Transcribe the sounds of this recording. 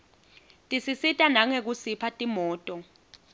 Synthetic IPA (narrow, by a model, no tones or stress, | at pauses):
tʼisisitʼanaŋek̬usipʰatʼimɔːtʼɔ